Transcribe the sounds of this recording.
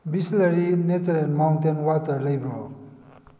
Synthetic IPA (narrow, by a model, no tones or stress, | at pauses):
bisleɾinet͡sɾenmawntenwat̪əɾləjbo